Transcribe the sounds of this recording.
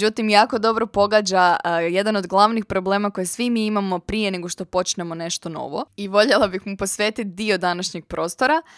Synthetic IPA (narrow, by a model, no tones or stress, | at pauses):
d͡ʑut̪imjaːko̞d̪o̞bɾo̞po̞ɡad͡ʑaje̞d̪ano̞d̪ɡlˠaʋnixpɾo̞ble̞ːmako̞jesʋimiimamo̞pɾije̞ne̞ɡo̞ʃt̪o̞po̞t͡ʃnemo̞ne̞ʃt̪o̞no̞̰ʋo̞̰iʋo̞ʎelˠabixmupo̞sʋe̞ːt̪it̪̚d̪io̞d̪anaʃɲeɡ̥̚pɾo̞ːst̪o̞ɾa